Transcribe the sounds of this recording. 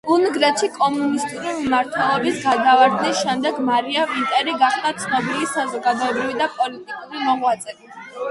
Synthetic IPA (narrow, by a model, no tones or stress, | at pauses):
unɡɾɛt̪ʃikʼɔmunist̪ʼuɾivimaɾt̪ʰwɛlˠɔbisɡad̪avaɾd̪nisʃɛmd̪ɛɡmaɾiavint̪ʼɛɾiɡaχd̪at̪sʰnɔbilisazɔɡad̪ɔɛbɾivid̪apʼɔlit̪ʼikʼuɾimɔʁwat̪sʼɛɾi